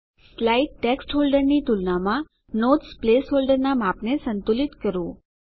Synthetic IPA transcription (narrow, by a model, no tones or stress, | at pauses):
slaiʈːeksʈɦolɖəɾnit̪ulnamã | not̪splesɦolɖəɾnamapnesənt̪ulit̪kəɾũ